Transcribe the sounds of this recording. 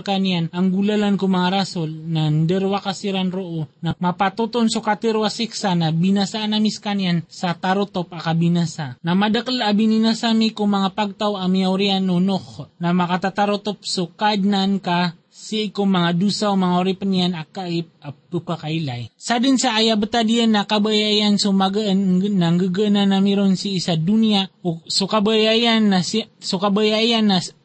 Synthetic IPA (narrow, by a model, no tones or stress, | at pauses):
kanijanaŋɡulalankumaŋaɾasolnand̪ɛɾwakasiɾanɾoʔonamapat̪ut̪onsukat̪ɪɾwasiksanabinasaʔːnamiskaniansat̪aɾot̪op̚akabinasanamad̪akəlabininasamikʊŋmɐŋapaɡ̚t̪awamiawɾianːunohnamakat̪at̪aɾot̪op̚sokaːdnanka | sikomaŋadusaumaŋauɾipənianakaip̚apəpakailajsadənsaːjabət̪adiənakabajaiansumaɡəːaŋɡəɡəənanamiɾonsiːsaduniasukabəjaianːassukabəjaianːa